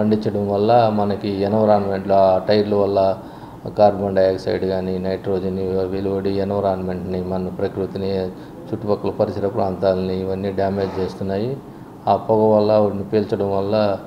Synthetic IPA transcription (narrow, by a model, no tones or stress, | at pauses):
pɐɳɖiɲt͡ʃːɐɽɐmʋɐlːɐmɐnɐkienɐʋɐɾaːnme̞ɳʈloaːʈɐjʈluʋɐlːɐ | kaːɾbɐɳɖɐjeksɐ̰jɖɡaːninɐjʈɾoːd͡ʒinːiʋiːluɐɽienɐʋɐɾaːnmeɳʈnimɐnɐpɾɐkɾut̪ini | t͡ʃuʈːupɐkːulɐpɐɾisɐɾɐpɾaːnt̪aːlɐniːʋɐnːiɖjaːme̞ːd͡ʒt͡ʃeːst̪unːaːji | aːpɔɡɐʋɐlːɐonipeːlt͡ʃɐɽɐmʋɐlːɐ